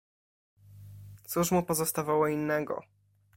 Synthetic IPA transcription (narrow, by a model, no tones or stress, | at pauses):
t̪suʂmupɔzɔst̪avawɔinːɛɡɔ̰